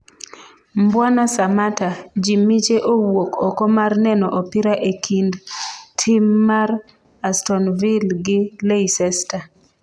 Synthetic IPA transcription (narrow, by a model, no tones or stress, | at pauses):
mbwanasamatad͡ʒimit͡ʃeʔowokɔkɔmarnɛnɔʔopiɾaʔekʰindtʰɪmːaɾ | astɔnvilɡɪleisɛsta